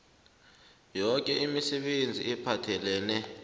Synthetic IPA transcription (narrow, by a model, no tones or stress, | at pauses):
jɔk̬ʼɛʔimisɛɓend͡zʱiɛpʰatʰɛlɛːnɛ